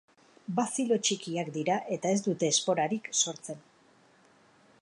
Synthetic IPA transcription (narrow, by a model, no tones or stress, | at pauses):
basilo̞t͡ʃikiakd̪iɾaʔe̞t̪ae̞zd̪ut̪e̞ːspo̞ɾaɾikso̞ɾt͡se̞n